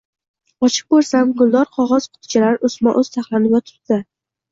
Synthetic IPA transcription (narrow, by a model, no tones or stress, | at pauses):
ɒt͡ʃʰɪ̥q̚boɾsamɡʊlˠd̪ɒɾqʰɒʁɒz̥qʰʊ̥t̪ʰɪ̥t͡ʃʰalaɾʔʊsmɒʔɵz̥t̪ʰaχlˠanɪɡʲat̪ʰʊ̥t̪̚d̪ɪ